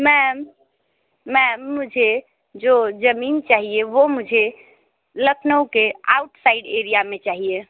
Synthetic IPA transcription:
mɛmː | ɛmːud͡ʒʱe | d͡ʒod͡ʒəmint͡ʃaɦieʋomud͡ʒʱe | ləkʰnəwkea̰uʈsaiɖeɾijamet͡ʃaɦije

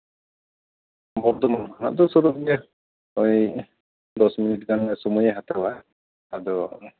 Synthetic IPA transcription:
bɔɾd̪ɔmankʰana̰ʔd̪ɔsɔɾuʔɛ | ɔj | d̪ɔsminiʈ̚ɡanɛsɔmujɛɦat̪awa | ad̪ɔ

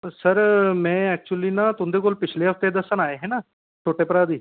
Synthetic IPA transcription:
səɾmɛ̃ːɛːk̚t͡ʃuəliːnãːt̪ʊ̃nd̪eːkoːlpɪt͡ʃʰleːɦəfʰt̪ed̪əsənaːeɦɛːnaː | ʈʰoːʈeːpəɾaːd̪iː

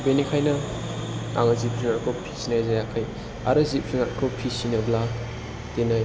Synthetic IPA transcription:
benikʰajnɐ | aŋɐzip̚fʰiŋaɾkʰopʰi̥sinajzajakʰaj | a̰ɾɯzip̚fʰiŋaʔkʰopʰisinɐbla | tenaj

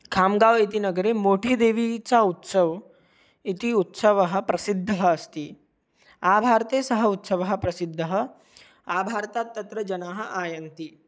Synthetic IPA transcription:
kʰaːmɡaʋit̪inɐɡəɾemoʈʰiːd̪eːʋit͡saut̪səʋ | it̪iut̪səʋəɦəpɾɐsid̪ʱːəɦəːst̪iː | abʱaːɾt̪esɐɦəut̪sɐʋɐɦə̆pɾɐsid̪ʱːəɦə | abʱaːɾt̪at̪ːɐt̪ɾɐd͡ʒɐnaːɦəʔaːjɐnt̪i

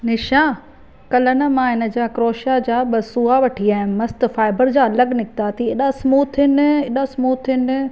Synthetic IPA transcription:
nɪʃãː | kɐlənə̆mãɦɪnə̆d͡ʑaːkɾoːʃad͡ʑaːɓɐsuːaʋɐʈʰiaːɦɪ̃nmɐst̪̆faːɪbəɾd͡ʑaːɐləɡnɪkɪt̪aːt̪ʰieɗasmuːt̪ʰɪnɪɗasmuːt̪ʰːɪnɪ

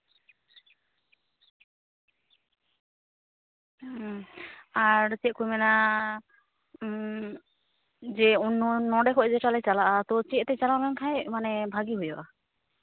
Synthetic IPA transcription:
aɾt͡ʃɛt̪̚kujmɛna | d͡ʒɛunːɔnɔɖɛkʰɔd͡ʒɛʈalɛt͡ʃalaʔat̪ɔt͡ʃɛt̪t̪ɛt͡ʃalamankʰajmanɛbʱaɡiɦujɔʔa

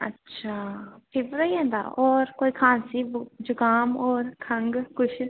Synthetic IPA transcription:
ə̰tːʃʰaːpʰɪbɾəiɛ̃ːnd̪a̰ːɔːɾkoːiːkʰãːnsiːbd͡ʒʊɡaːmɔːɾkʰə̃ŋɡkʊt͡ʃʰ

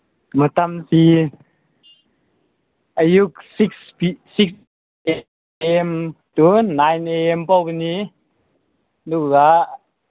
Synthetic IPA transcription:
mət̪amsi | ʔəjuk̚sikspiːiks | e | ɛmt̪unajneɛmpowpəni | nukaʔ

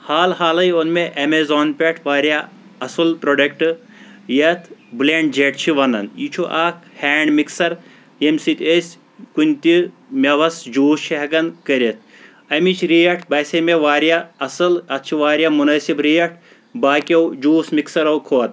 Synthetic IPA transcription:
haːlɦaːlɐjonmeʔɐmezoːnpʲeʈʰʋaːɾʲja | ɐsɨlpɾoɖɐk̚ʈɨ | jɐt̪ʰbleɳɖd͡ʒeʈt͡ʃʰiʋɐnɐ̰njit͡ʃʰuʔaːkheːɳɖmiksɐɾ | jemsit̪ʲesʲ | kunʲt̪i | mʲeʋɐsd͡ʒuːst͡ʃʰiɦɐɡɐnkɐɾʲet̪̚ʰ | ɐmit͡ʃʰɾijɐʈʰbɐsʲemeʋaːɾijaɐsɨlɐt̪̚t͡ʃʰiʋaːɾjamunɐsibɾijɐʈʰ | baːkʲewd͡ʒuːsmiksɐɾɐwkʰoːt̪

